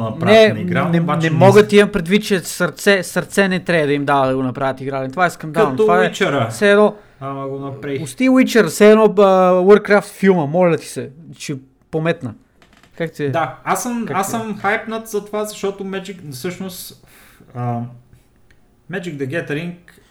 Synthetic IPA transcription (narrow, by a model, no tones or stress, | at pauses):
nɐpɾnaɛniɡɾaɛbanɛmɔɡət̪iimɐpɾɛd̪vit̪̚t͡ʃɛsɐɾt̪sɛsɐɾt̪sɛnɛt̪ɾɛəd̪ɐimd̪avəd̪ɐɡonɐpɾavʲət̪iɡɾalʲɛnt̪ovaɛskɐmd̪ɐnt̪ovaɛit͡ʃɛɾəsɛːd̪nɔ | amɐɡonɐpɾaʊst̪iwit͡ʃɛɾsɛɛːd̪nɔəwəɾkɾaft̪filˠməmɔlʲɐt̪i̥sɛt͡ʃɛ | pomɛt̪nə | kakt̪iɛd̪aasəmkaasəmxajpnət̪zɐt̪ovazɐʃt̪ɔt̪omɛd͡ʒikfsɤʃnost̪ | ə | mɛd͡ʒiɡd̪ɐɡʲɛt̪ɛɾiŋk̚